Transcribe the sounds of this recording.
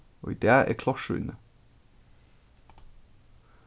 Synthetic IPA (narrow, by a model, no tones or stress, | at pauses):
o̰ːd̪eːæ̰ːkʰlɑʃʉʏ̰nə